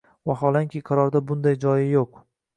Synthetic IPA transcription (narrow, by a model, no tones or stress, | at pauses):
vaɦɒlˠaŋkʲʰɪqʰɑɾɒɾd̪abʊnd̪ajd͡ʒɒjɪjoq